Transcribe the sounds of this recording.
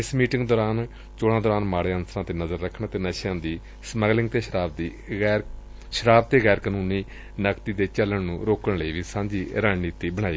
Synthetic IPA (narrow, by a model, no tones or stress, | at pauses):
ɪsmiːʈɪŋɡd̪ɔːɾaːn | t͡ʃoːɽãːd̪ɔːɾaːnmaːɽeənsɾãːt̪eːnəzəɾːəkʰɳãːt̪eːnəʃjãːd̪iː | sməɡlɪ̃ŋɡ̚t̪eːʃɾaːb̪i | ʃəɾaːb̚t̪eːɣɛːɾkaːnuːniː | nəkt̪iːd̪eːt͡ʃələɳnũːɾoːkəɳləiːʋiːsãːɲd͡ʒiːɾaːniːt̪iːbəɽ̃aːiː